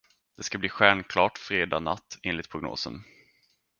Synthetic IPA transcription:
d̪̥ɛskabliːɧæɳkʰlɑːʈfɾeːd̪aːna̰t̪ːɪnlɪt̪̚pʰɾʊɡno̰ːsə̰n

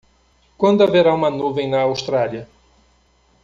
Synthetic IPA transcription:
kwɐ̃nd̪ʊaveɾaũmɐnuvẽj̃nɐawʃt̪ɾaljɐ

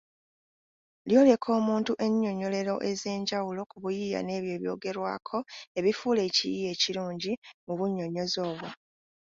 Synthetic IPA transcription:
ljo̞ːle̞kʰo̞ːmuːntuʔe̞ɲːo̞ɲo̞le̞ɾo̞ʔe̞ze̞ːɲɟawulo̞kuβujija̰ne̞ːβjo̞ːβjo̞̰ːɡe̞ɾwa̰ːkʰo̞e̞βifuːle̞ːcḭjije̞ːciɾuːɲɟimuβuɲːo̞ɲo̞zo̞ːβwo

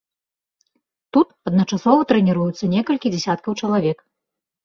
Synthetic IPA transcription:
t̪ut̪ɐd̪nɐt͡ʂasɔvɐt̪ɾɛnʲiɾujut̪sːɐnʲɛkɐlʲkʲid͡zʲɛsʲat̪̚kɐwt͡ʂɐlˠavʲɛk

